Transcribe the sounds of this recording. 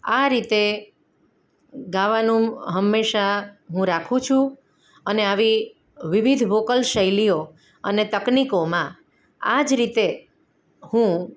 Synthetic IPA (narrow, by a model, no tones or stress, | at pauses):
aɾit̪e | ɡaʋanũɦəmːeʃaɦũɾakʰũt͡ʃʰũ | əneaʋi | ʋiʋid̪ʱʋokəlʃəjlijo | ənet̪əknikomã | ad͡ʒɾit̪e | hũ